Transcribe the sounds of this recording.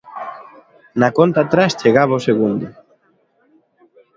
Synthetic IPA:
nakont̪at̪ɾast͡ʃeɣaβaoseɣund̪ʊ

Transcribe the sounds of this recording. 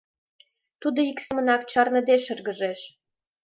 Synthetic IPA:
t̪ud̪oiksəmənɑkt͡ɕɑrnə̆d̪eʃə̆rɣə̆ʒeʃ

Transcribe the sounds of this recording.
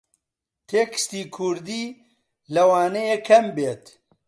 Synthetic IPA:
t̪ʰeːkʰɨ̥st̪iːkʰuɾd̪iː | lɐwaːnejekʰɐmbeːt̪

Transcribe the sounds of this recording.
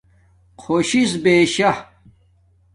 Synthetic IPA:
qʰoɕisbeːɕɐ

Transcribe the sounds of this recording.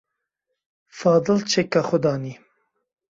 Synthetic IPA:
fɑːd̪ɨlt͡ʃʰekːaxʊd̪ɑːni

